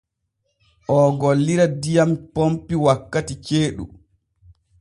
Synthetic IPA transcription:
ʔɔɡolːiɾadijampompiwakːatit͡ʃeːɗṵ

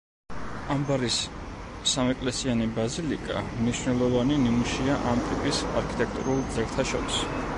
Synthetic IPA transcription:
ambaɾis | samɛkʼlɛsianibazilikʼamniʃwnɛlˠɔvaninimuʃiaʔamt̪ʼipʼisa̰ɾkʰi̥t̪ʼɛk̚ʰt̪ʼṵɾulˠd̪zɛɾt̪ʰaʃɔɾis

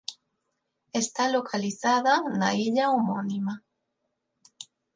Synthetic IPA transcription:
est̪alokʰaliθaðana̰iʎaomonima

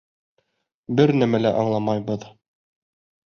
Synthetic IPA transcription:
bɘɾnæmælæʔɑɴlˠɑmɑjbɤð

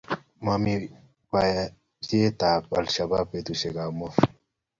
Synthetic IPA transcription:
mami | waja | d͡ʑet̪aːpɐ̰lɕɐbaːpet̪uɕeɡaːmof

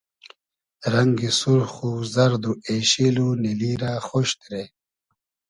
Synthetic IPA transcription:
ɾɐŋɡisuɾxuzɐɾd̪ueɕiluniliːɾaːxoɕt̪ɾe

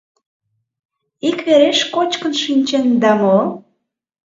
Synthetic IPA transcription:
ikβeɾeʃkot͡ɕkə̆nʃinʲt͡ɕend̪ɑmo

